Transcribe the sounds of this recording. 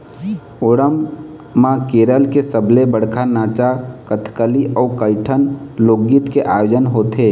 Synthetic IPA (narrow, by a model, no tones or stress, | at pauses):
oɽəmː | ãkeːɾəlkesəblebəɽ̤kʰanaːt͡ʃakət̪ʰkəliʔɔːkəɪʈʰənloːɡɪt̪keʔaːjoːd͡ʒənɦoːt̪eː